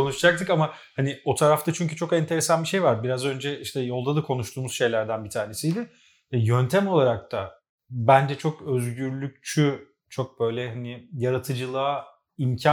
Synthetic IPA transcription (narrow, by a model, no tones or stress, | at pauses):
ko̞nuʃd͡ʒak̚t̪ʰɯkama | hanio̞t̪ʰaɾaft̪at͡ʃʰyɲcyt͡ʃʰo̞kɛnt̪ʰe̞ɾesanbiʃe̞jvaɾbiɾazø̞nd͡ʒɛʔiʃt̪ʰɛjo̞lˠd̪ad̪akʰo̞nuʃt̪ʰuːmuz̥ʃe̞jlʲæɾd̪ænbit̪ʰaːɾne̞sijd̪ʲɛ | ɛjø̞nt̪ʰɛmo̞lˠaɾak̚t̪ʰa | bænd͡ʒɛt͡ʃʰo̞kø̞zɟyɾlʲyc̚t͡ʃʰy | t͡ʃʰo̞k̚b̥ø̞jlʲɛɦanɪjaɾat̪ʰɯd͡ʒɯlˠaː | imcʰa